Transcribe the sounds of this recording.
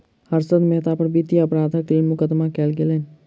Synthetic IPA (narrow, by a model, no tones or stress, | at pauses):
həɾsəd̪meɦt̪apəɾbʱit̪iəpɾaːd̪ʱək̚t̪eːlmʊkəd̪makɛːlɡeleːn